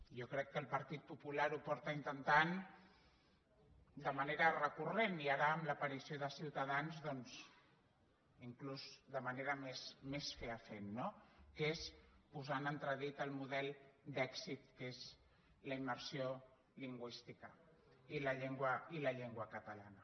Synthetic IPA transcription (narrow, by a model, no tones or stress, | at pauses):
ʒokɾɛkːəlˠpəɾt̪it̪̚pupulaɾupɔɾt̪əint̪ənt̪an | d̪əməneɾərəkureniaɾəːmləpəɾisioðəsiwt̪əðanzðɔnz | iŋkluzd̪əməneɾəmesmesfeəfenːokespuzanənt̪ɾəðit̪əlˠmuðɛlˠd̪ɛksit̪̚kez | ləiməɾsio | liŋɡwist̪ikə | iləʎeŋɡwəiləʎeŋɡwəkət̪əlanə